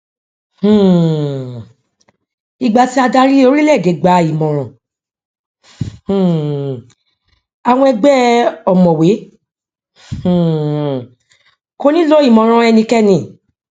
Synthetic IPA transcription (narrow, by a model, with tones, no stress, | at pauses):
i˨ɡ͡ba˧ti˦a˧da˧ɾi˦o˧ɾi˦lɛ˦˨ɡe˨˦ɡ͡ba˧i˨mɔ̃˨ɾ̃ɔ̃˨ | h̩˨ | a˧w̃ɔ̃˧ɛ˧ɡ͡bɛ˦ɔ˨mɔ̃˨we˨˦ | h̩˨ | ko˧nĩ˦lo˦i˦˨mɔ̃˨ɾ̃ɔ̃˧ɛ˧nĩ˧kɛ˦nĩ˧˨